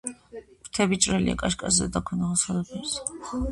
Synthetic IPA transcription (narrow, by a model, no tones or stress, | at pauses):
kʰt̪ʰɛbit͡ʃʼɾɛlḭa̰kʼaʃkʼasɛd̪akʰwɛnaʁasʼad̪apʰɛɾs